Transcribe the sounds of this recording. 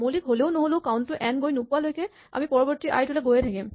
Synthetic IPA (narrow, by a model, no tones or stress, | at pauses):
molikɦoleʊnoɦoloʊkaʊntʊʔɛnɡojnopʊalojkɛ | a̰mipɔɹɔbɔɹtiʔa̰jtulɛɡojɛtʰakim